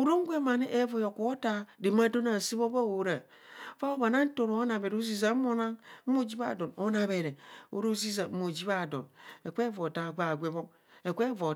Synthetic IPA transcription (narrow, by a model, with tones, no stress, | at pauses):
o˨ɾo˦ŋ̩˦ɡʷe˦ma˨ni˦ʔe˦vo˨jo˨ko˨˦ta˦de˨ma˦do˦na˨si˦βo˦ba˦˨wo˨ɾa˨ | fa˦o˦ba˨na˦n̩˦to˨ɾo˨˦na˨be˨ɾo˦zi˦za˨˦o˦na˦ŋ̩˦o˦˨d͡ʒi˦ba̰˨do˨no˦na˨βe˨ɾe˨o̰˨˦ɾo˦zi˦za˨˦mo˨d͡ʒi˦βa˦˨do̰˨ne˨kʷe˦vo˨ta˨ɡ͡ba˨ɡʷe˦βo˦k | e˨kʷe˦vo˨